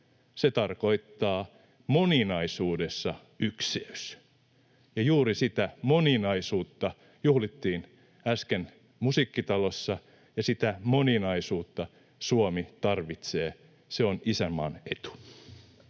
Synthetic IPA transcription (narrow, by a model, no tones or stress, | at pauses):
set̪ɑrko̞it̪ːɑː | moninɑisuːdesːɑ | ykseys | jɑjuːɾisit̪æmoninɑisuːt̪ːɑ | juhlit̪ːiːn | æsken | musiːkːit̪ɑlosːɑ | jɑsit̪æmoninɑisuːt̪ːɑ | suomit̪ɑrʋit̪seː | seonisæmːɑ̰net̪u̥